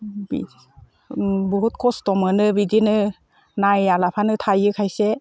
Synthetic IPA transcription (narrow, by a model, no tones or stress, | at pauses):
bḭ | bɔɦut̚kʰɔstɔmɯnɯbidinɯ | najalapʰanɯtʰajɯkʰajse